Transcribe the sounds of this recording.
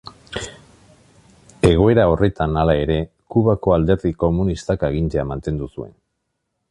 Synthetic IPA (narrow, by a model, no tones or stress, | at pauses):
e̞ɣ̞o̞e̞ɾao̞re̞t̪analae̞ɾe̞ | kuβako̞ald̪e̞ɾðiko̞munist̪akeɣ̞int͡seamant̪e̞nd̪usue̞̰n